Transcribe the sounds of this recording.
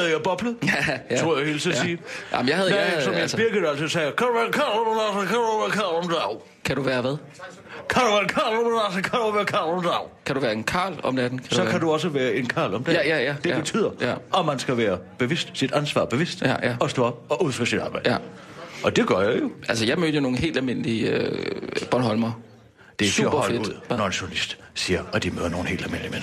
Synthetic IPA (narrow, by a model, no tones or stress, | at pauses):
hɛðˠjɑb̥ɒ̽b̥ləðˠsʁo̝ɐ̰jahe̝ːlt͡sʰisiːʔɑ̰mnjɑhæðˠmesɒ̽mæsb̥iɐɡ̥ə̥ælsəsɛɪjkʰæd̥uʋæːɐkʰɑ̈ːlɒmæsɔkʰæuʋæɐkʰɑ̈ːlɒmd̥ɑʊ | kʰæd̥uʋæːɐʋæðˠ | kʰæɾuʋæɐenkʰɑ̈ːlɒmdasɒkʰæduʋæːɐkʰɑ̰̈ːlɒmnd̥ɑ̈ʊkʰæɾuʋæːɐe̝nkʰɑ̰̈ːlɒ̽md̥æd̥n̩kʰæ̥dsuɒ̽kkʰæduɒ̽s̬əʋæːɐe̝nkʰɑ̰̈ːlɒ̽md̥ejæjæd̥e̝be̝t͡sʰy̰ːð̰ˠɐjæmænsɡ̥æʋæːɐb̥e̝ʋesd̥sid̥ænsʋɑ̰ːb̥e̝ʋe̝sd̥jæjæɒ̽sd̥ɔɒ̽b̥ɒ̽ʔuð̰ˠføsid̥ɑ̈ːb̥ɑ̈ɪ̰̥ | ɒ̽d̥e̝ɡ̥ɶɐjajo̝ʔæls̬əjɑ̈ɪmøðɐjono̝ːn̩ɦḛld̥ælme̝n̰əliø | b̥ɒnɦɒ̽lmɐ | d̥esub̥ɐfedu̥ð̰ˠnɒenɕonlisd̥ | siːɐɒd̥imø̰ðˠɐno̝ːn̩e̝̰ːld̥ælme̝nlimen